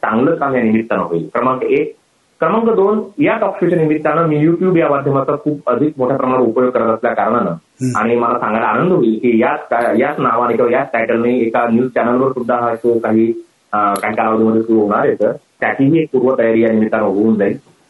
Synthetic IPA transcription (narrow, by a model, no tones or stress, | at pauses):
t͡sã̰ŋɡlət͡skaɦjanimit̪ːana̰ɦoḭlkɾəməŋkəek̚ | kɾəməŋkəd̪onjat͡sɔpʂet͡ɕənimit̪ːanamiːjuʈjuːbjamad̪ʱjəmat͡sakʰuːbəd̪ʱik̚moʈʰjapɾəmaɽ̃upəjoɡ̚kəɾət̪asljakaɾəɽ̃ana | a̰ɽ̃iməlasãŋɡalaanənd̪ɦoiːlkiːjat͡skajat͡snaʋaɽ̃ikĩʋajat͡sʈaʈəlneekanjuːzt͡ɕanəlʋəɾsud̪ʱːaɦasokaɦiː | kaɦiːkalaʋəd̪ʱiməd̪ʱːjesuɾuɦoɽ̃aɾjet̪əɾ | t̪jat̪ʰiːɦiːek̚puɾʋət̪əjaɾiːjanimit̪ːanaɦouːnd͡zai